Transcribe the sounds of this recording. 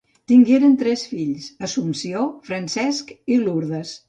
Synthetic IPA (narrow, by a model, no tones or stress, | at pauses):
t̪iŋɡeɾənt̪ɾɛsfiʎsəsumsiofɾənsɛskiluɾðəs